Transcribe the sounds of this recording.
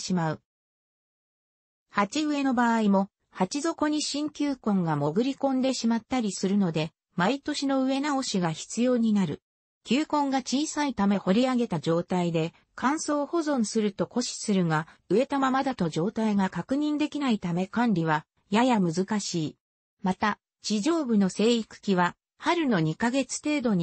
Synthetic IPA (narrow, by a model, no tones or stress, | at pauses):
imaɯ̟ | hat͡ɕiɯ̟e̞no̞baːimo̞ | hat͡ɕizo̞ko̞ɲ̟iɕĩŋkʲɨːkõ̞ŋɡamo̞ɡɯ̟ɾʲikõ̞nd̪e̞ɕimat̪ːaɾʲisɨɾɯ̟no̞d̪e̞ | mait̪o̞ɕino̞ɯ̟e̞nao̞ɕiɡaçi̥t͡sɨjo̞ːɲ̟inaɾɯ̟ | kʲɨːkõ̞ŋɡat͡ɕiːsait̪ame̞ho̞ɾʲiaɡe̞t̪ad͡ʑo̞ːt̪aid̪e̞ | kʰãɰ̃so̞ːho̞zõ̞ɰ̃sɨɾɯ̟t̪o̞ko̞ɕi̥sɨɾɯ̟ɡaɯ̟e̞t̪amamad̪at̪o̞d͡ʑo̞ːt̪aiɡakakɯ̟ɲ̟ĩnd̪e̞kʲinait̪ame̞kãnɾʲiβ̞a | jajamɯzɨkaɕiː | mat̪a | t͡ɕiʑo̞ːbɯ̟no̞se̞ːikɯ̟̥kʲiβ̞a | haɾɯ̟no̞ɲ̟ikaɡe̞t͡sɨ̥t̪e̞ːd̪o̞ɲ̟i